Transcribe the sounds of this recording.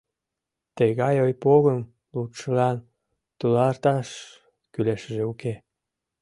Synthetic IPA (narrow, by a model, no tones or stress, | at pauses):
t̪eɣɑjojpoɣəm | lut̪ʃəlɑn | t̪ulɑrt̪ɑʃ | kyleʃəʒeuke